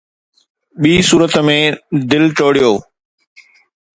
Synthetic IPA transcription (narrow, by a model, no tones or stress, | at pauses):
ɓiːsuːɾət̪mẽd̪ɪlʈoːɽijoː